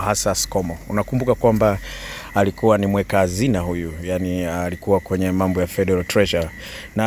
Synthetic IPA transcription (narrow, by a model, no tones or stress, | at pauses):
hasasi̥kɔmɔṵnakumbukakwambaː | likuwanimwɛkaːzinahujujanilikuwakwɛɲɛmambɔjafɛɗɛɾaltɾɛʃa | na